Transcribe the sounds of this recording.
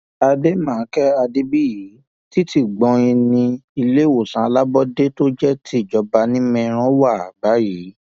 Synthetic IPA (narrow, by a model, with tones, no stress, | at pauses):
a˧de˦mãː˦˨˦kɛ˦a˧de˦bi˦ji˨˦ | ti˦ti˦˨ɡ͡bɔ̃˧i˧nĩ˧i˧le˦˨wo˨sã˨˦a˧la˦bɔ˦de˦to˦d͡ʒɛ˦tʰi˦˨d͡ʒɔ˧ba˧nĩ˦mɛ̃˧ɾ̃ɔ̃˦wa˦˨a˨ɡ͡ba˨˦ji˨˦